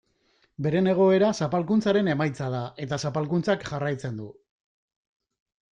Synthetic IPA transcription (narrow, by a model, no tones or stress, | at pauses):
be̞ɾe̞ne̞ɣ̞o̞e̞ɾasapalkunt͡saɾe̞ne̞majt͡sað̞aʔe̞t̪asapalkunt͡sakʝarajt͡se̞nd̪u